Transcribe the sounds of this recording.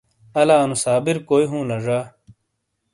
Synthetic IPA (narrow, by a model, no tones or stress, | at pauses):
ɐlaːnusaːbiɾkoːiɦũːnɐʐaː